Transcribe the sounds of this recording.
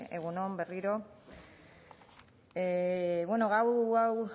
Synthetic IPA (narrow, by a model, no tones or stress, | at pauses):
eɣ̞unombe̞riɾo̞ | βwenoɣawɣaw